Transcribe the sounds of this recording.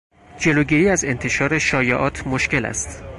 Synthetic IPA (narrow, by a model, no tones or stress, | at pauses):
d͡ʒe̞loːɟiːɾiːæze̞nt̪ʰe̞ʃɒːɾe̞ʃɒːjeʔɒːt̪ʰmoʃke̞læ̰st̪